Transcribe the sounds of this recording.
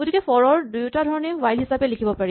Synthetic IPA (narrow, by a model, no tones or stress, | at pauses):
ɡodikɛpɔɹɔɹdujtadʱɔɹɔnɛwajlɦisapɛlikʰibɔpaɹi